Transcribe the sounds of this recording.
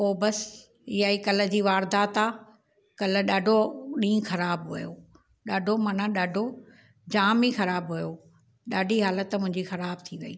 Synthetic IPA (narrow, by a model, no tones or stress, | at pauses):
oːbɐs | ɪɦaːikɐlə̆d͡ʑiːʋaːɾd̪aːt̪aː | kɐlə̆ɗaːɖʱoɗĩːxɐɾaːbɦujo | ɗaːɖʱomɐnaɗaːɖʱo | d͡ʑaːmixɐɾaːbɦujo | ɗaːɖʱiɦaːlət̪mʊ̃ɦɪ̃ɲd͡ʑixɐɾaːbt̪ʰiʋɐiː